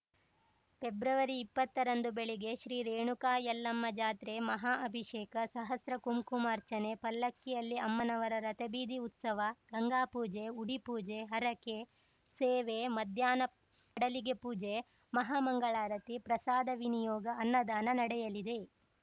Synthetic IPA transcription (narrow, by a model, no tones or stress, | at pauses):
pebɾɐʋɐɾiːpːɐt̪ːɐɾɐnd̪ubeɭiɡe̞ʃɾiːɾeːɳukaːjɐlːɐmːɐd͡ʒaːt̪ɾemɐɦaːʔɐbʱiʃeːkɐsɐɦɐsɾɐkumkumaːɾt͡ʃɐnepɐlːɐkːijɐlːiɐmːɐnɐʋɐɾɐɾɐt̪ɐbiːd̪iut̪sɐʋɐɡɐŋɡaːpuːd͡ʒeuɽipuːd͡ʒeɦɐɾɐke | seːʋemɐd̪ʱjaːnɐ | ɐɽɐliɡe̞puːd͡ʒe | mɐɦaːmɐŋɡɐɭaːɾɐt̪ipɾɐsaːd̪ɐʋinijɔːɡɐːnːɐd̪aːnɐnɐɽɛjɐlid̪e̞